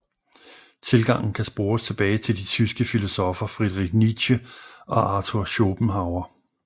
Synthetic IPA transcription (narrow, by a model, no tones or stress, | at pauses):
t͡sʰe̝lɡ̥ɑ̈ŋ̰n̩kʰæsb̥o̝ːst͡sʰe̝b̥ɛːɪt͡sʰe̝ld̥it͡sʰysɡ̥əfilo̝sɔ̽fɐfʁiðˠʁiɡ̥̚nid̥ɕəɒ̽ʔɑ̈ːt͡sʰoɐɕo̝b̥m̩ɦɑ̈ʊɐ